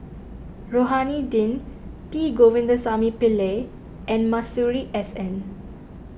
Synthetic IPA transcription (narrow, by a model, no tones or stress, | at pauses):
ɹoɦanidĩn | piɡovĩndəsamipile | ʔɛ̃nmasuɹiʔɛsɛ̃n